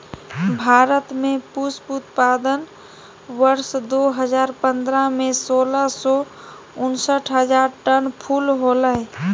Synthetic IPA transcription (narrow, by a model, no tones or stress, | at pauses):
bʱaɾət̪mẽpusput̪pad̪ən | ʋəɾsd̪oɦəd͡ʒaːɾpənd̪ɾamesoːləsɔ | ʊnsəʈʰɦəd͡ʒaːɾʈənpʰulɦolə